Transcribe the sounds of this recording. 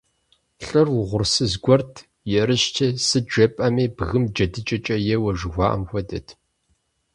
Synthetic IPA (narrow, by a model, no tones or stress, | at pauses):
ɬʼɨrwʊʁʷʊrsɨzɡʷɔrtʰ | jɛɾɨʃtʰɐsɨd͡ʒɐpʼɐmeːbɣɨmd͡ʒɐdɨt͡ʃʼɐt͡ʃʼɐjɛwɐʒɪxʷɑːʔɐ̰mxʷɔdɐtʰ